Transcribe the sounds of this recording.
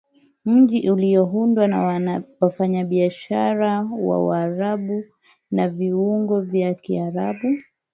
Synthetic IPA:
m̩ʄiʔulijɔɦundwanawafaɲaɓiaʃaɾawa̰waɾaɓu | naviwuŋɡɔvjakiaɾaɓu

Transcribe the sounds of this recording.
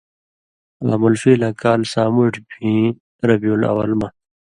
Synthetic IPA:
a̰ːmulfiːlãːkaːlsaːmuʈpʰĩː | ɾɐbiuːlɐ̰wɐlma

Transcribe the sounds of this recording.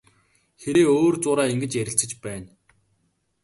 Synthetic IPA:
xeɾeːoːrt͡sʊːɾaːiŋɡɘ̆t͡ɕjæɾʲɪ̆ɬt͡sɘ̆t͡ɕpæːn

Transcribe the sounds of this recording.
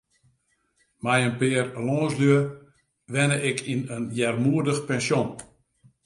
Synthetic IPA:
mɛjənpɪərloːsløə | ʋɛnəʔɪkʰinənjɛrmuərdəxpɛnsjon

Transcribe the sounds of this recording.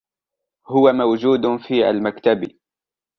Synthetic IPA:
hʊwamawd͡ʒuːd̪fiːʔa̰lmakt̪abi

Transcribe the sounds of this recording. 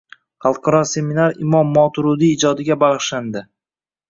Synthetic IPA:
χɑlˠqʰɑɾɒse̞minaɾɪmɒmːɒt̪ʰʊɾʊd̪iːd͡ʒɒd̪ɪɡʲabɑʁɨʃland̪ɪ

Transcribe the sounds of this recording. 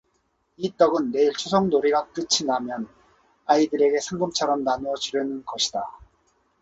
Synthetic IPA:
it͈ʌɡɯnːe̞iɭt͡ɕʰusʰʌŋnoɾiɡat͈ɯt͡ɕʰinamjʌn | aidɯɾe̞ɡe̞sʰaŋɡɯmt͡ɕʰaɾʌmnanuʌd͡ʑuɾjʌnɯnɡʌɕʰida

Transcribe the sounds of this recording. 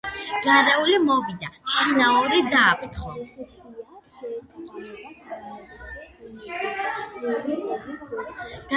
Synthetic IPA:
ɡ̥aɾɛulimɔvid̪aʃinaɔɾid̪aːpʼt̪ʰχɔ | ɡ̥a

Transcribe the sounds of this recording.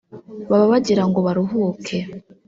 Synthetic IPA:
βaβaβaɟiɾaŋɡo̞βaɾuɦuːkʰe

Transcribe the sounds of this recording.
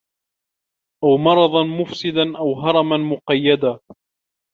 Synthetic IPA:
ʔawmɑɾˤɑðˤɑnmʊfsɪd̪anʔawɦɑɾˤɑmanmʊqɑjːad̪a

